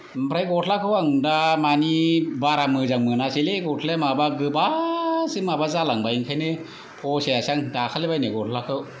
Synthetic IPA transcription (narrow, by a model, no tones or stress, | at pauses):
m̩pʰɾajɡɔtʰlakʰɯwaŋdamanibaɾamɯzaŋmɯnaseleɡɔtʰlemabaɡɯbasɯmabazalaŋbajiŋkʰajne | pʰɔsejasaŋdakʰalebajneɡɔtʰlakʰɯw